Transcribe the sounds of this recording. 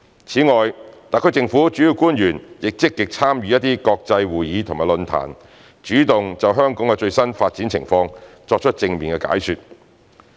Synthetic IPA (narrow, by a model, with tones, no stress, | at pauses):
t͡sʰiː˨˥ŋɔː˨jt̪aː˨˩kʰɵ˧˥t͡sɪ˧ŋfuː˨˥t͡ʃyː˨˥ji˧wkuː˥njyː˨˩njɪ˨k̚t͡sɪ˥kːɪ˨k̚t͡sʰaː˥mjyː˨˦jɐ˥t̪̚iː˥kɔː˧k̚t͡sɐ˧jwuː˨jiː˨˧t̪ʰʊ˨˩maː˨jlɵ˧nt̪ʰa̰ː˨˩n | t͡ʃyː˨˥t̪ʊ˨ŋt͡sɐ˨wɦœː˥ŋkɔː˨˥ŋkɛ˧t͡ʃɵ˧ɥsɐ˥nfaː˧t̚t͡siː˨˥nt͡sʰɪ˨˩ŋfɔː˧ŋt͡sɔː˧k̚t͡ʃʰt̚t͡sɪ˧ŋmiː˨nkɛ˧ka̰ː˨˥jsyː˨t̚